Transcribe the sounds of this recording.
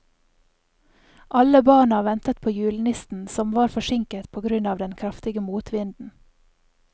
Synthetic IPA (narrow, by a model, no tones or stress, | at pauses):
ʔɑləbɑːɳɑʋɛnt̪ət̪̚pʰoːjʉːlnɪst̪n̩sɔmʋɑːɾfɔʃɪŋkət̪pʰoːɡɾʉnɑːʋd̪ɛnkʰɾɑft̪ɪɡəmuːt̪ʰʋɪnd̪n̩